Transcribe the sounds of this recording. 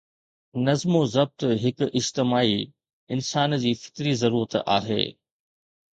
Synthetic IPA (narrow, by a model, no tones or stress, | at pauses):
nɐzmozɐb̚t̪ɦɪkʊʔɪd͡ʑt̪ɪmaːi | ɪnsaːnd͡ʑiːfɪ̥kɾizɐɾuːɾət̪a̰ːɦḛː